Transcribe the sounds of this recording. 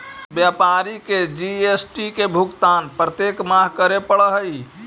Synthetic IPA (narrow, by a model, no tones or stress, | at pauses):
bjapaɾiked͡ʒiesʈikebʱukt̪aːnpɾət̪jekmaɦkəɾepəɽəɦəi